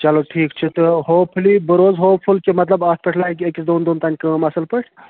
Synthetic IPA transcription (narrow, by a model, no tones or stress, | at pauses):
t͡ʃɐloʈʰiːkt͡ʃʰit̪ɨɦoːpʰlibəɾoːzɦoːpʰulkemɐt̪lɐbaːs̚pɐʈʰlaːikekisd̪oːnd̪oːnt̪ɐnʲkəmɐsɐlpɐʈʰ